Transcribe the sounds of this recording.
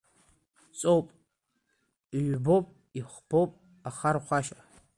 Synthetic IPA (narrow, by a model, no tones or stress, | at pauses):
t͡sʼowpʼ | ɥbopʼ | iχbʰowpʼ | aχarχʷaʃa